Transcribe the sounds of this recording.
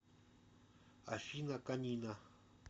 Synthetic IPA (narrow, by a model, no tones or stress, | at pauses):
aʃinãkaɲĩnã